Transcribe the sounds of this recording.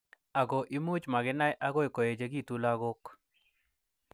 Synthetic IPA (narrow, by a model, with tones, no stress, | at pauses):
a˨ɡɔ˨ʔi˦mu˦t͡ʃma˨ɡɪ˦na˦jʔa˦ɡɔ˦e˨ko˨je˨d͡ʒe˨ɡi˦˨tu˦la˦ɡo˦k